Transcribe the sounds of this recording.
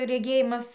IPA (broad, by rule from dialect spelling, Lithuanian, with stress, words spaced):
rʲɛˈɡʲeːjɪmɐs